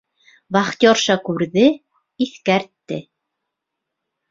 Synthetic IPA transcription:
βɑχt̪jɒɾʃɑkʉɾðɘ | iθkæɾt̪ːɘ

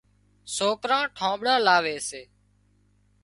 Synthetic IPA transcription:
soːkɾãːʈʰãːɓɽãːlaːʋeːseː

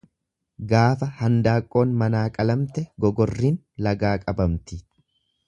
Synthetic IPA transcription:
ɡaːfɐhɐnd̪aːkʼːo̞ːnmɐnaːkʼɐlɐmt̪ɛɡɔɡɔrːiːn | lɐɡaːkʼɐbɐmt̪ɪ

